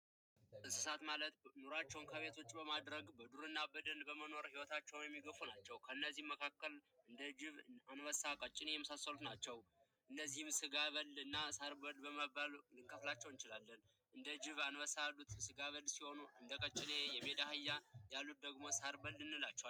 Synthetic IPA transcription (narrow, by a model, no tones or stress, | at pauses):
ɨsɨsat̪malət̪noɾat͡ʃːɛwnkʰəβe̞t̪ʰo̞t͡ʃʼːbəmad̪ɾəɡbəd̪uɾɨnːabəd̪ənbəməno̞ɾhiwɔt̪ʰat͡ʃːɛwnjɛmːiɡəfunat͡ʃːɛwkʰəɨnːəzːihmːəkʰakːəlɨnd̪əd͡ʒɪβanwəsakʼət͡ʃʼːɪnejɛməsasːəlut̪nat͡ʃːɛw | ʔɨnːəzːihɨmsɨɡaβəlɨnːasaɾbəlbəməbalɨŋkʰəflat͡ʃːɛwnt͡ʃɪlalːən | ʔɨnd̪əd͡ʒɪβanwəsalːut̪sɨɡaβəlsiho̞nuɨnd̪əkʼət͡ʃʼːɪnejɛme̞d̪ahɨjːajalːut̪̚d̪əɡmo̞saɾbəlːɨnːɨlat͡ʃːɛwal